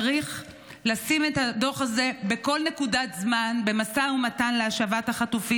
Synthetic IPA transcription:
ʁiχ | lasime̞tado̞χaze̞beko̞lne̞kudatzmanbe̞masaumatanleaʃavathaχatufi

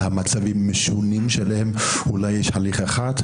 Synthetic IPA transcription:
hamat͡savimːeʃunimʃelahem | ulajːɛʃhaliχaeχat̪

